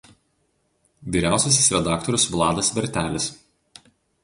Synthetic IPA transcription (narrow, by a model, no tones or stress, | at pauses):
ʋʲiːɾʲæˑʊsʲɛsʲɪ̥sɾʲɛd̪ɑːkt̪ɔɾʲʊsʋlˠɑːd̪ɐsʋʲɛɾʲt̪ʲæːlʲɪs